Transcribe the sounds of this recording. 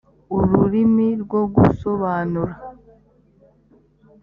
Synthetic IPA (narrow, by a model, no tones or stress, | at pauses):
uɾuɾimiɾɡwoɡuso̞βaːnuɾa